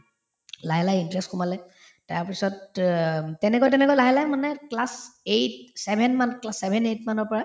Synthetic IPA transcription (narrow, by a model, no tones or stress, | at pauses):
laɦɛlajintɹɛstkumalɛ | taɹpisɔtː | ɛnɛkojtɛnɛkojlaɦɛlajmanɛklasejtsɛbʱɛnmanklasɛbʱɛnejtmanɔɹpɔɹa